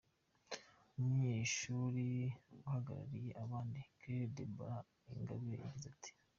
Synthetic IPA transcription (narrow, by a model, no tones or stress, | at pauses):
umɲeːʃuɾiwuhaɡaɾa̰ɾije̞ʔaβaːndikɾedebɾa | iŋɡa̰βuejaɟizatʰi̥